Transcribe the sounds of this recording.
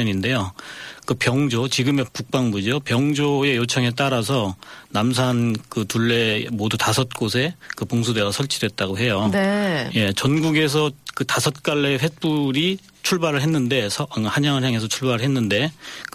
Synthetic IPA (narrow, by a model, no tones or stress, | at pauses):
ɲinde̞jokɯpjʌŋd͡ʑot͡ɕiɡɯme̞puk̚p͈aŋbud͡ʑopjʌŋd͡ʑoe̞jot͡ɕʰʌŋe̞t̬͈aɾas̬ʰʌnams̬ʰankɯtuɭːe̞modutasʰʌt̚k͈os̬ʰe̞kɯpoŋsʰude̞ɡasʰʌɭt͡ɕʰidwe̞t̚t͈aɡoɦe̞joneje̞t͡ɕʌnɡuɡe̞s̬ʰʌkɯtasʰʌt̚k͈aɭːe̞ɸep͈uɾi | t͡ɕʰuɭbaɾɯɭɦe̞nːɯnde̞sʰʌhaɲaŋɯɭɦjaŋe̞s̬ʰʌt͡ɕʰuɭbaɾɯɭɦenːɯnde̞k